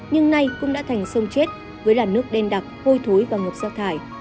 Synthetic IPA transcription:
ɲɨ˧ŋna˧jkʊ̰˧˥ŋ͡mɗa̰ː˧˥t̪ʰa˨˩jŋ̟sə˧wŋ͡mt͡ɕe˦˥t̚ | vəː˨˦jlaː˨˩nːɨ˦˥ək̚ɗe˧nɗa˨˩t̚ho˧jt̪ʰo˨˦jvaː˨˩ŋɨ˨˩p̚z̥aː˧t̪ʰaː˧˩j

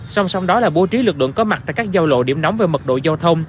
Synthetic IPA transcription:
sa˧wŋ͡msa˧wŋ͡mɗɔ˨˦laː˨˩ɓu˨˦t͡ɕi˨˦lɨ˨˩k̚lɨ̰˧˨əŋkɔ˨˦ma˨˩t̪a̰ː˧˨jkaː˦˥k̚zaː˧wlo̰˧˨ɗḭ˧˩əmnɔ˨˦wŋ͡mveː˨˩mə˨˩ɗo̰˧˨za˧t̪ʰə˧wŋ͡m

